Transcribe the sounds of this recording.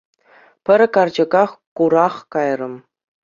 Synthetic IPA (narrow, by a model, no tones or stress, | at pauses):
pʲɘ̆ɾʲkɑrd͡ʑɤ̆ɡɑχkuɾɑχkɑjrɤ̆m